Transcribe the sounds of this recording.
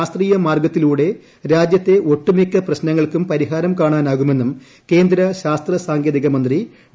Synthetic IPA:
st̪riːjɐmaːrɡɐt̪ːiluːɽe̞ | ɾaːd͡ʑjɐt̪ːe̞o̞ʈːumikːɐprɐɕnɐŋːɐɭkumpɐɾiɦaːɾɐmkaːɳaːnaːɣume̞nːum | ke̞ːnd̪ɾɐɕaːst̪rɐsaːŋɡjeðiɣɐmɐnd̪ri

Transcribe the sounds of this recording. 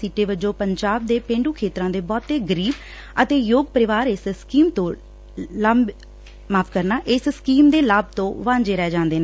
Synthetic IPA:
siːʈeːʋəd͡ʒõːpəɲd͡ʒaːb̚d̪eːpẽːɳɖuːkʰeːt̪ɾãːd̪eːbɔːt̪ːeːɡəɾiːb | ət̪eːjoːɡpəɾɪʋaːɾɪsskiːmt̪õː | ləm | maːpʰkəɾnaːʔɪsskiːmd̪eːlaːb̚t̪õːʋãːɲd͡ʒeːɾɛːd͡ʒãːnd̪eːnː

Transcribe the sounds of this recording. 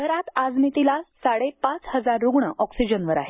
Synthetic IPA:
ɡʱəɾat̪ad͡zmit̪ilasaɽepat͡shəd͡zaɾːuɡɳəʔɔksid͡ʑənʋəɾa̰ɦe

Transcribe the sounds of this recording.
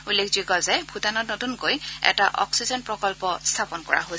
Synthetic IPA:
ulekʰzikɔzɛbʱutanɔtnotunkojɛ̰taʔɔ̰ksizɔnpɹɔkɔlpɔst̪ʰapɔnkɔ̰ɹa̰ɦojs

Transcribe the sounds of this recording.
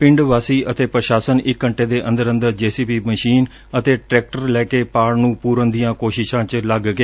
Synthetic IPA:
pɪ̃ɳɖʋaːsiːʔət̪eːpɾəʃaːsənɪkːəɳʈeːd̪eːʔə̃nd̪əɾə̃nd̪əɾd͡ʒeːsiːpiːməʃiːn | ət̪eːʈɾɛːk̚ʈəɾlɛːkeːpaːɾnũːpuːɾənd̪ijãːkoːʃɪʃãːt͡ʃləɡɡeː

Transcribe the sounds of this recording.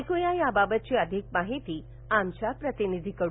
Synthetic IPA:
kojajababət̪̚t͡ɕiːəd̪ʱik̚maɦit̪iː | amt͡ɕjapɾət̪inid̪ʱikəɽ

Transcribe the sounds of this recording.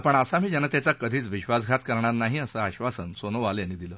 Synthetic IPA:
pəɳəsamiːd͡ʑənət̪jat͡sakəd̪ʱiːt͡sʋiɕʋasɡʱat̪kəɾɳatnaɦiəsəaɕʋasənsonəʋaljanːiːd̪iləː

